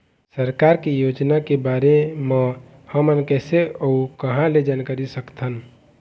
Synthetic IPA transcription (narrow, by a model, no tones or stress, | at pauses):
səɾkaːɾkijoːd͡ʒnakebaɾemẽ | həmənkɛːseəukəɦãled͡ʒankəɾisəkt̪ʰən